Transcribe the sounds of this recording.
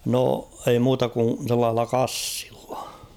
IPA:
no ei muːtɑ kun̞ selːɑːh̞elːɑ kɑsːi̥l̥ːɑ̥

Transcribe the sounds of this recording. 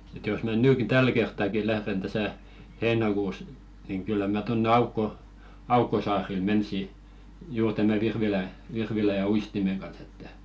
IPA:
ĕt jos mæ nyːki tæl kertːɑki læhren tæsæ heːnɑkuːs niŋ kylːæ mæ tonːe ɑukːo ɑukːosɑːril mensi juːr tæmæ ʋirʋilæ ʋirʋilæ jɑ uistimeŋ ɡ̊ɑns etːæ

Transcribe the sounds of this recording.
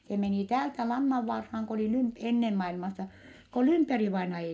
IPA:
se meniˑ tæːltæ lɑnːɑʋːɑrhɑːŋ ko oliˑ lymp enːen mɑilmɑsɑ ko lymperiʋɑinɑ

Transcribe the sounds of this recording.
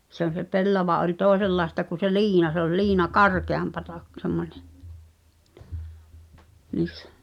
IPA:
se on̞ se pelːɑʋɑ ʔolʲ toˑeselːɑestɑ ku se liːnɑ se ol liːnɑ kɑrkeɑmpɑtɑ k semːonʲe niːsːæ̥

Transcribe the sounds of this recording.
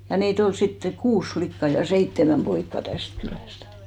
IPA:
jɑ niːt ol sitːe kuːs flikːɑ jɑ seitːemæm poikːɑ tæst kylæstæ̥

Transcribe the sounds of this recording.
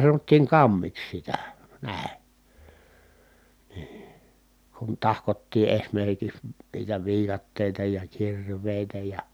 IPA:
sɑnotːiːŋ kɑmːiks sitæ næˑi̯ niː kun tɑhkotːiː esmerkiks niːtæ ʋiːkɑtːeˑitɑ jɑ kirˑʋeˑi̯tæ jɑ

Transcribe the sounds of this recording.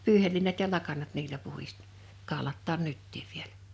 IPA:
pyːhelːiːnɑt jɑ lɑkɑnɑt niːlæ puhis kɑˑolɑtːɑːn nytːiːʋ ʋielæ̥

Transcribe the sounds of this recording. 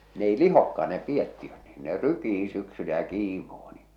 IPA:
n ei lihokːɑː ne pietːiøt n̥i̥ːn̥ ne rykiː syksylæ jɑ kiːmoː ni

